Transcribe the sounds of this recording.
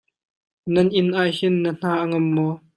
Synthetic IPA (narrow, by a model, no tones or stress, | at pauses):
nɐnʔɪnʔaːjhɪnːən̥aːʔɐŋɐmːɔː